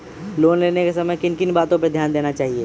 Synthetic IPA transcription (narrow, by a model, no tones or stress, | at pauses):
loːnleːnekesɐməjkɪnkɪnbaːt̪õped̪ʱjaːnd̪eːnat͡ʃaːɦie